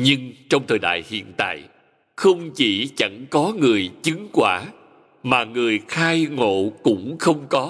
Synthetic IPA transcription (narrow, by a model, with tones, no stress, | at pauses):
ɲɨ˧ŋt͡ɕɔ˧wŋ͡mt̪ʰəː˨˩jɗa̰ː˧˨jhḭ˧˨ənt̪a̰ː˧˨j | xə˧wŋ͡mt͡ɕi˧˩t͡ɕa˧˩ŋkɔ˨˦ŋɨ˨˩əjt͡ɕɨ˨˦ŋkwaː˧˩ | maː˨˩ŋɨ˨˩əjxaː˧jŋo̰˧˨kʊ̰˧˥ŋ͡mxə˧wŋ͡mkɔ˨˦